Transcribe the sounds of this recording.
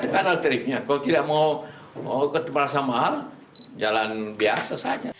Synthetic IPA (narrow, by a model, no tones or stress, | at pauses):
dəkanalt̪ɾɪk̚ɲakalot̪idaʔmau | kət̪məɾasamaɦal | d͡ʒalanbiasasad͡ʒa